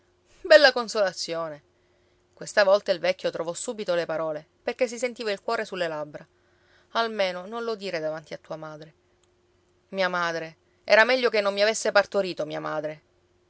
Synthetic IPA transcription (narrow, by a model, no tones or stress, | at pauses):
bɛlːakonsolat̪sːjoːne | kwest̪avɔlt̪ailvɛkʲːot̪ɾovɔsːuːbit̪olepaɾɔːle | perk̟es̬isent̪iːvailkwɔːɾesulːelabɾa | almeːnonõnlod̪iːɾed̪avant̪iat̪ːuːamaːd̪ɾe | miːamaːd̪ɾe | ɛ̰ːɾamɛʎːokenːomːiavesːepart̪oɾiːt̪omiːamaːd̪ɾe